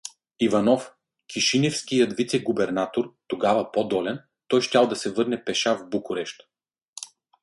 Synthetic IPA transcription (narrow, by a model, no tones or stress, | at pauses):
ivɐnɔf | kʲʰiʃinʲɛfskijɐd̪vit̪sɛɡʊbɛɾnat̪oɾt̪oɡavɐpod̪ɔlɛn | t̪ɔjʃtʲalˠd̪ɐsɛvɤɾnɛpɛʃavbukʊɾɛʃt̪ə̥